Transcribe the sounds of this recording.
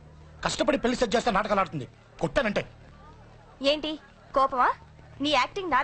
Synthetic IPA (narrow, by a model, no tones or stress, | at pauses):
kɐʂʈɐpɐɽipelːist̪ed͡ʒd͡ʒeːst̪eːnaːʈɐkaːlaːɽut̪und̪i | koʈːeːnɐɳʈḛː | eːɳʈi | kɔːpɐmaː | niːaːk̚ʈiŋnaː